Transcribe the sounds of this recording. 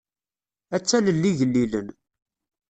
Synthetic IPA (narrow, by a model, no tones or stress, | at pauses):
æt͡sːæləlːiʝəlːilən